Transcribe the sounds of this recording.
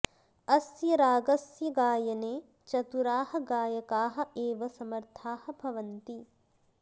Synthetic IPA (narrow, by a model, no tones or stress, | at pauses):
ɐsjɐɾaːɡɐsjɐɡaːjɐneː | t͡ʃɐt̪uɾaːhɐ̆ɡaːjɐkaːɦɐ̆eːʋɐsɐmɐɾt̪ʰaːhɐ̆bʱɐʋɐnt̪i